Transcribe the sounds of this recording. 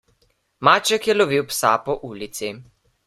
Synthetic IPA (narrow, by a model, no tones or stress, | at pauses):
maːt͡ʃɛkjɛloʋiwpsapɔʔuːlit̪si